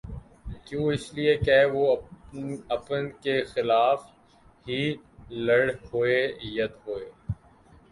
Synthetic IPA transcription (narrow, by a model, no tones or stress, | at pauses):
kjũːɪsliekɛʋo | ɐpənkexɪlaːf | ɦilɐɽɦoejɐd̪ɦoːeː